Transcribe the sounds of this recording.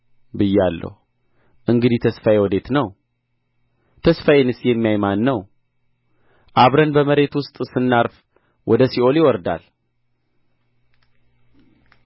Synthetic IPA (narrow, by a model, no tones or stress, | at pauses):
bɨjalːə̰hu | ʔɨŋɡɨd̪it̪ʰəsfajewɔd̪e̞t̪nəw | t̪ʰəsfajenɨsjɛmːijajmanːəw | ʔaβɾənbəməɾe̞t̪wʊst̪ʼsɨnːaɾf | wʔɔd̪əsio̞lɪwɔɾd̪a̰l